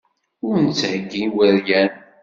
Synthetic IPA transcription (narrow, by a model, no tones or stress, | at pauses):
ʊɾnt͡sːhəɡːiwəɾjæn